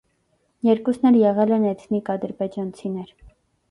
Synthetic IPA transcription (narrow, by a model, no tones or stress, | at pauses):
jɛɾkusnɛɾjɛʁɛlɛnɛt͡sʰnikɑd̪əɾbɛd͡ʒɑnt͡sʰinɛɾ